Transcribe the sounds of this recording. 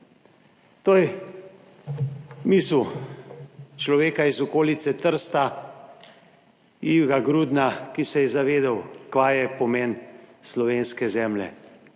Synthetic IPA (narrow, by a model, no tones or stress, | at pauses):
t̪ojɛ | misw | t͡ʃlɔʋeːkaizɔkoːlit̪sɛt̪əɾst̪a | iwɡaɡɾuːd̪nakisɛjɛzaʋeːd̪awkʋajɛpɔmeːnslɔʋeːnskɛzɛːmlɛ̰